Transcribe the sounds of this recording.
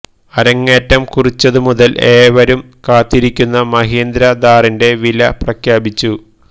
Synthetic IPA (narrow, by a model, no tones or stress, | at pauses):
ɐɾɐŋːeːtːɐmkurit͡ɕːɐðumuðɐlʔe̞ːʋɐɾum | kaːt̪ːiɾikʲːunːɐmɐɦiːnd̪ɾɐd̪aːrinde̞ʋilɐprɐkʰjaːbit͡ɕːu